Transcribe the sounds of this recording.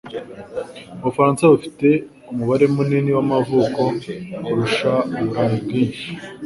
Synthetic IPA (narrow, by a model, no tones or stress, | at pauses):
uβufaɾaːnsaβufi̥te̞ | umuβaɾe̞muniniwamavuko̞kuɾuʃauβuɾanibɡiːnʃi̥